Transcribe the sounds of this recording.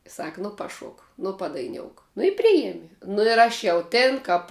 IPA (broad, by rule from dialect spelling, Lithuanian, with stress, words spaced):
ˈsɐk ˈnʊ pɐˈʃoːk ˈnʊ pɐdɐɪˈnʲoːʊk nʊ ɪ ˈpʲrʲɪjɛmʲɪ nʊ ɪr ˈɐʃ jɛʊ ˈtʲɪn kɐp